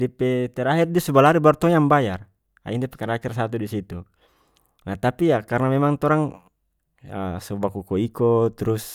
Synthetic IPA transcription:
dipɛt̪ɛɾaɦirdisubalaɾibart̪ɔɲaŋbajar | a̰indipɛkaɾakirsat̪̬udisit̪u | nat̪apijakarnamɛmaŋt̪ɔɾaŋ | ə̰sɔbakɔkɔikɔt̪ɾus

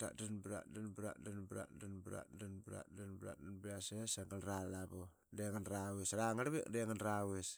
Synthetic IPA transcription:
ta̰danbɾa̰danbɾa̰danbɾa̰danbɾa̰danbɾa̰danbɾa̰danbiasesaŋɡalɾalabo | deŋanɾawesaɾaŋaɾβḛkdeŋanɾawes

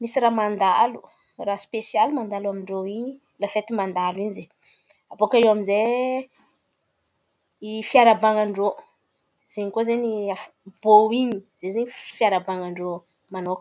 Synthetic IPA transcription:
misiɾamand̪alu | raspesjalimand̪alamiɳɖ͡ʐoiɲi | lafet̪imand̪aliɲize | abokaewamize | ifjaɾabaŋaɳɖ͡ʐo | z̥eɲikozeɲiaf | boiɲiz̥eɲzeɲifjaɾabaŋaɳɖ͡ʐo | manok

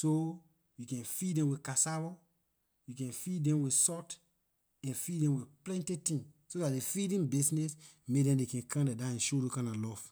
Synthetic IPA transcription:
so | jukɛ̃nfidɛ̃mwikasaɹɔ | jukɛ̃nfiddɛ̃mwisɔt | ɛ̃nfidɛ̃mwiplɛ̃ntitĩnsodatdefidĩnbisnɛs | mek̚dɛ̃ndekɛ̃nkʰãmdedãɛ̃nʃodokãnalɔf

